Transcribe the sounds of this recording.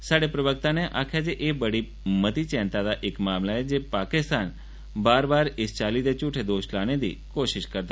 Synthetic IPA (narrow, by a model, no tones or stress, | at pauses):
saɽepɾəbək̚t̪aneʔakʰjad͡ʒeʔebəɽi | mət̪it͡ʃɛ̃nt̪ad̪aʔekmamlaed͡ʒepakɪst̪ʰan | baːɾbaɾɪst͡ʃalid̪et͡ʃuʈʰed̪oʃlaned̪ḭkoʃɪʃkəɾt̪a